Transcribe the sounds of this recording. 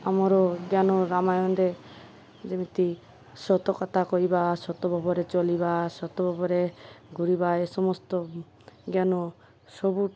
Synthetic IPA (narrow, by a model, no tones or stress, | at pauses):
amɔɾɔɡjanɔɾamajɔnd̪e | d͡ʒemit̪i | sɔt̪ɔkɔt̪ʰakɔibasɔt̪ɔbʱɔbɔɾet͡ʃɔlibasɔt̪ɔbʱɔbɔɾeɡʱuɾibaesɔmɔst̪ɔ | ɡjanɔ | sɔbu